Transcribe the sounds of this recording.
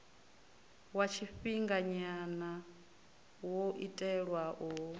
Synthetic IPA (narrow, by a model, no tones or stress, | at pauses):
wat͡ʃʰiɸiŋɡaɲana | woʔitʼɛɺwaʔo